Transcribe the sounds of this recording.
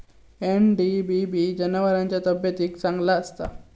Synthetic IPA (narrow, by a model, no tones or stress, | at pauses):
enɖibibid͡ʒɐnɐʋɐɾaɲt͡ʃɐt̪əbjɐt̪iksɐŋlaːst̪a̰